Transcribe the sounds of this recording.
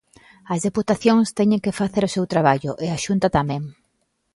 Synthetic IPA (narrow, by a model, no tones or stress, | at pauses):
ɐzðeput̪aθjoŋst̪ɛɲẽŋkefaθeɾʊsewt̪ɾaβ̞aʎʊʔeaʃunt̪at̪amɛ̃ŋ